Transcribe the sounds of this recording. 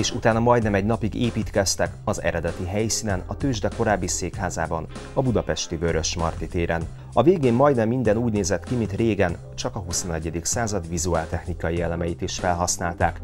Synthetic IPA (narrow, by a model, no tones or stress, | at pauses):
eːʃut̪aːnɒmɒjd̪nɛmɛɟnɒpiɡeːpiːt̪kɛst̪ɛkɒzɛ̰ɾɛd̪ɛt̪iɦɛjsinɛnɒt̪øːʒd̪ɛko̞ɾaːbːiseːkhaːzaːbɒn | ɒbud̪ɒpɛʃt̪ibøɾø̞ʃmɒrt̪it̪eːɾɛn | ɒveːɡeːmːɒjd̪nɛmːind̪ɛnuːɟneːzɛt̪kimint̪reːɡɛn | t͡ʃɒkɒɦuso̞nɛɟːɛd̪iksaːzɒd̪ʋizuaːlt̪ɛxnikɒjiɛlɛmɛjit̪iʃfɛlɦɒsnaːlt̪aːk